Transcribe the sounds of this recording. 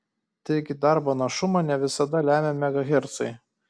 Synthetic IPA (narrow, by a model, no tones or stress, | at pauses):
t̪ɐɪɡʲɪd̪ɑˑɾboːnɐʃʊmɐnʲɛʋʲɪsɐd̪ɐlʲæːmʲemʲɛɡɐɣʲɛɾt̪sɐɪ